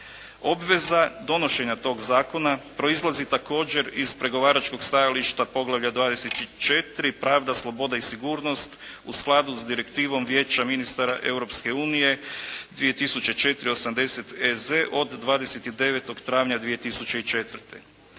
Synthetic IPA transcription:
o̞bʋe̞zad̪o̞no̞ʃe̞ɲat̪o̞ːɡzaːko̞napɾo̞izlˠazit̪ako̞ːd͡ʑe̞ɾizpɾe̞ɡo̞ʋaːɾat͡ʃko̞ɡst̪ajaliʃt̪apo̞ɡlˠaʋʎad̪ʋaːd̪eset̪it͡ʃe̞t̪ɾipɾaːʋd̪aslˠo̞bo̞d̪aisiɡuːɾno̞st̪ | usklˠad̪uzd̪iɾe̞kt̪iːʋo̞mʋjeːt͡ɕaminist̪aɾaʔe̞uɾopske̞uːnije̞d̪ʋije̞t̪isut͡ɕe̞t͡ʃe̞t̪ɾio̞samd̪e̞se̞t̪eze̞ʔo̞d̪ːʋaːd̪eset̪id̪e̞ʋet̪o̞ɡt̪ɾaːʋɲad̪ʋije̞t̪isut͡ɕe̞it͡ʃe̞t̪ʋr̩t̪e

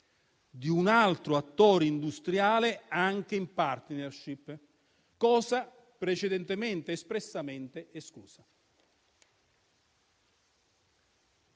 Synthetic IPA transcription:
d̪iunalt̪ɾoat̪ːoːɾind̪ust̪ɾjaːleaŋk̟eimpart̪nɛrʃipː | kɔːsa | pɾet͡ʃed̪ɛnt̪ement̪eːspɾesːament̪eʔeskuːsa

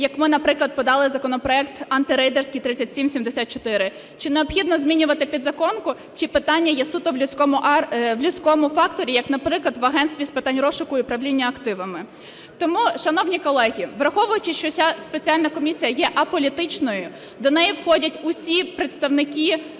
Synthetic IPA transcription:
jɐkmɪnɐpɾɪklˠɐd̪̚pɔd̪ɑlˠɪzɐkɔnɔpɾɔɛkt̪ɐnt̪ɪɾɛjd̪ersʲkijt̪ɾɪt͡sʲːɐtʲsʲimsʲimd̪esʲat̪t͡ʃɔt̪ɪɾɪ | t͡ʃɪneɔbxʲid̪nɔzʲmʲinʲʊʋɐt̪ɪpʲid̪zɐkɔnkʊ | t͡ʃɪpɪt̪ɑnʲːɐjɛsut̪ɔʋlʲʊsʲkɔmʊʔʋlʲʊsʲkɔmʊfɑkt̪ɔɾʲijɐknɐpɾɪklˠɐd̪ʋɐɦɛnst̪ʋʲispɪt̪ɑnʲrɔʃʊkʊipɾɐʋlʲinʲːɐɐkt̪ɪʋɐmɪ | t̪ɔmuʃɐnɔwnʲikɔlˠɛɦʲiʋɾɐxɔʋʊjʊt͡ʃɪʃt͡ʃɔsʲaspet͡sʲialʲnɐkɔmʲisʲijɐjɛʔɐpɔlʲit̪ɪt͡ʃnɔjʊ | d̪ɔnɛjiwxɔdʲɐtʲʊsʲipɾet̪st̪ɐwnɪkʲi

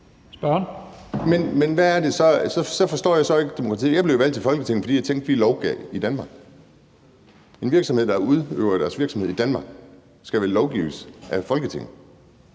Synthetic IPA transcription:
sb̥ɶnmenmenʋæːɐde̝sɒ̽sɒ̽sɒ̽fɒ̽sd̥ɔ̰ːjɑ̈ɪsɒ̽e̝ɡ̥əd̥e̝mokʰɑt͡sʰḭːjɑ̈b̥le̝ʊʋæl̰d̥̚t͡sʰe̝lfɒ̽lɡ̥ət͡sʰe̝ŋ̰n̩fɒd̥ḭjɑ̈ɪt͡sʰeŋ̰ɡd̥ʋilɒʊɡ̥ɛ̰id̥ænmɑ̈ːɡ̥ | e̝nʋiɐɡ̥sɒmhe̝ð̰ˠd̥ɑ̈uð̞ˠø̰ʊɐɾ̥æɐsʋiɐɡ̥sɒme̝ð̞̰ˠid̥ænmɑ̈ːɡ̥ | sɡ̥æʋælɒʊɡ̥ḭʊsʔæfɒ̽lɡ̥ət͡sʰe̝ŋ̰n̩

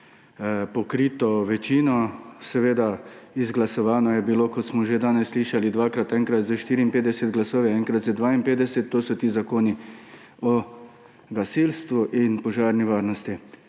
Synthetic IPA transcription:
pɔkɾiːt̪ɔʋɛt͡ʃiːnɔsɛʋeːd̪aizɡlasɔʋaːnɔjɛbiloːkɔt̪smɔʒed̪aːnɛsːliːʃalid̪ʋaːkɾat̪ɛːŋkɾat̪zaʃt̪iːɾiːnpeːd̪ɛsɛd̪ɡlasoːʋɛɛŋkɾat̪zəd̪ʋaːinpeːd̪ɛsɛt̪ːoːsɔt̪iːzakoːni | ɔ | ɡasilst̪ʋuʔinpɔʒaːɾniʋaːɾnɔst̪i

